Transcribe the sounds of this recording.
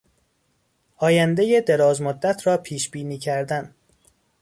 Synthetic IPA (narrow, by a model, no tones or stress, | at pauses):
ʔɒːjænd̪ejed̪e̞ɾɒːzmod̪ːæt̪ʰɾɒːpʰiːʃb̥iːniːcʰæɾd̪æn